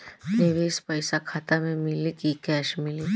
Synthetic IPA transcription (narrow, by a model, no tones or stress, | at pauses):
neʋiːspəjsakʰat̪amẽmilikikɛʃmili